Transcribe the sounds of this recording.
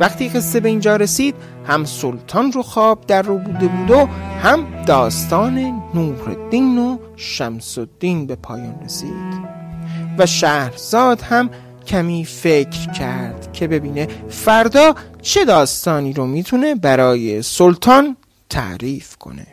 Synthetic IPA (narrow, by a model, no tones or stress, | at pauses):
væxt̪ʰiːɣest̪ebe̞iːnd͡ʒɒːɾesiːd̪̥ | hæmsolt̪ʰɒːnroxɒːb̚d̪æɾːobuːd̪e̞buːd̪ohæmd̪̥ɒːst̪ɒːne̞nuːɾḛd̪̥iːno | ʃæmsod̪̥ːiːnbe̞pʰɒːjɒːnresḭːd̪̥ | væʃæhɾz̥ɒːd̪̥hæm | cʰæmiːfe̞cʰɾcʰæɾd̪̥cʰe̞be̞biːne̞fæɾd̪ɒːt͡ʃʰe̞d̪ɒːst̪ɒːniːɾomiːt̪ʰune̞bæɾɒːje̞solt̪ʰɒn | t̪ʰæ̰ʔɾiːfkʰo̰ne̞̰